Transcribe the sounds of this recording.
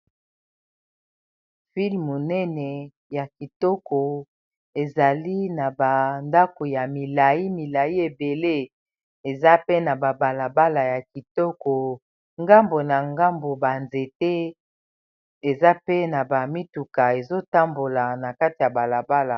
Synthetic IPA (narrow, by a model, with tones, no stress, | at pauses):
fi˦lmu˨nɛ˦nɛ˨ | ja˨ki˨tɔ˦ko˨ | e˨za˨li˦na˨ba˨nda˦ko˨ja˨mi˨la˨i˦mi˨la˨i˦e˨be˨le˦ | e˨za˦pe˦na˨ba˨ba˨la˨ba˦la˨ja˨ki˨tɔ˦kɔ˨ | ŋɡa˦mbo˨na˨ŋɡa˦mbo˨ba˨nze˨te˦ | e˨za˦pe˦na˨ba˨mi˦tu˨ka˨e˨zo˦ta˦mbo˨la˨na˨ka˦ti˨ja˨ba˨la˨ba˦la˨